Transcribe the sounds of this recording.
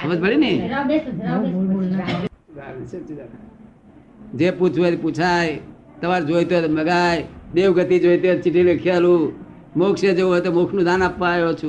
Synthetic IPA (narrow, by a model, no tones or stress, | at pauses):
əbəd͡ʒbəɽini | at͡ʃi | d͡ʒeput͡ʃʰet̪iput͡ʃʰaːj | t̪əʋaːɾd͡ʒojt̪ot̪məɡaːjd̪eːwɡət̪id͡ʒoːjt̪et̪t͡ʃɪʈilekʰjaluː | moːksed͡ʒeɦojt̪omokʰnũːd̪ʱaːnapːaːjot͡ʃʰu